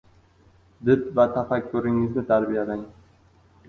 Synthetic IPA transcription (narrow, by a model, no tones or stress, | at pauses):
d̪ɪpvat̪ʰafakʲʰːʊɾɪŋːɪznɪt̪ʰaɾbijad̪aŋ